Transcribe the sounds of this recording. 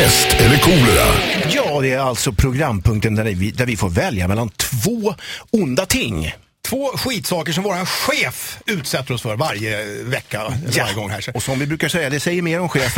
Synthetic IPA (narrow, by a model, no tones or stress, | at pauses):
ɛst̪ɛlːəkʰuːləɾa̰jɑːd̪ɛæɾalt̪sɔpʰɾʊɡɾamːpʰɵŋk̚t̪ənd̪ævɪd̪æɾvɪfoːɾvɛlja̰mɛlːant̪ʰvoːʊnd̪at̪ʰɪŋː | t̪ʰvoːɧiːt̪sɑːkəʂɔmvoːɾanɧeːfʉ̟ːt̪sɛt̪ːəɾɔsfœɾvaɾjəvɛkːajaɾjəɡɔŋːɦæ̰ːʂɔsɔmvɪbɾʉ̟ːkaʂɛjːad̪ɛsɛjːəɾmeːɾɔmɧeːf